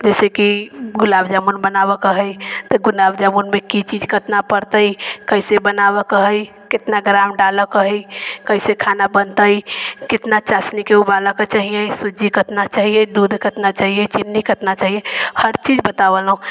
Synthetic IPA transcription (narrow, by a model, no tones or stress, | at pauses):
d͡ʒɛsekiɡulabd͡ʒamunbənabəkəɦəjt̪əɡulabd͡ʒamunmekit͡ʃid͡ʒkət̪napəɾt̪əikəisebənabəkəɦəj | ket̪naɡɾamɖaləkəɦəjkəisekʰanabənt̪əjkɪt̪nat͡ʃasnikeubaləket͡ʃaɦijesud͡ʒikət̪nat͡ʃaɦijed̪ud̪ʱkət̪nat͡ʃaɦijet͡ʃinːikət̪nat͡ʃaɦiehəɾt͡ʃid͡ʒbət̪abəlɦũ